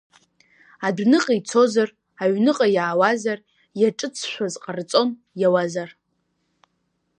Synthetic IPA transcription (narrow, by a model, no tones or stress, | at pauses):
adnɨqʼit͡sʰo̞zar | aɥnɨqʼajaːwazar | jaʈ͡ʂʼɨt͡sʰʃᶣʷazqʼart͡sʼo̞n | jawazar